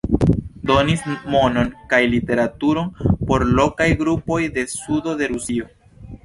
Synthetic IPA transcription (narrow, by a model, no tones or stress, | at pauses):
do̞nismo̞no̞nkajlite̞ɾatuɾo̞npo̞ɾlo̞kajɡɾupo̞jde̞sudo̞de̞ɾusio